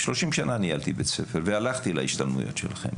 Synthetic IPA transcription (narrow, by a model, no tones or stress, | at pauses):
ʃlo̞ʃimʃananialt̪ibet͡sefeʁvealaχt̪ila̰iʃt̪almṵjo̞̰tʃelaχe̞̰m